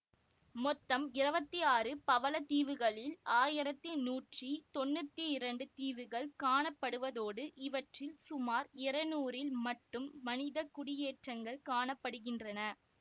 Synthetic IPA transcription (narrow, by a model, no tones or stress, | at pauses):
mɔt̪ːɐmɪɾɐbɐt̪ːiaːrɯpɐʋɐlɐt̪iːʋɯɣɐɭɪlaːjɪɾɐt̪ːɯnuːʈrit̪ɔnːɯt̪ːiɪɾɐɳɖɯt̪iːʋɯɣɐɭkaːɳɐpːɐɽɯʋɐðoːɽɯʔɪʋɐʈrɪlsʊmaːɾɪɾɐnuːɾɪlmɐʈːɯmːɐnɪðɐkʊɽɪjeːʈrɐŋɡɐɭkaːɳɐpːɐɽɯɣɪndrɐnɐ